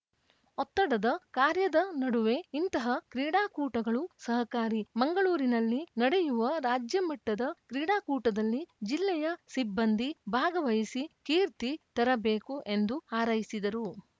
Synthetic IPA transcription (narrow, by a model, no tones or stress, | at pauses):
ɔt̪ːɐɽɐd̪ɐkaːɾjɐd̪ɐnɐɽuʋe̞int̪ɐɦɐkɾiːɽaːkuːʈɐɡɐɭusɐɦɐkaːɾimɐŋɡɐɭuːɾinɐlːinɐɽejuʋɐɾaːd͡ʒjɐmɐʈːɐd̪ɐkɾiːɽaːkuːʈɐd̪ɐlːid͡ʒilːɛjɐsibːɐnd̪ʱibʱaːɡɐʋɐjisikiːɾt̪it̪ɐɾɐbe̞ːkuʔe̞nd̪uaːɾɐjisid̪ɐɾu